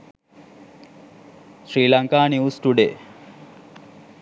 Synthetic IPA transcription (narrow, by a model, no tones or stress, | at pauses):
sɾiːlɐŋkaːniusʈuɖe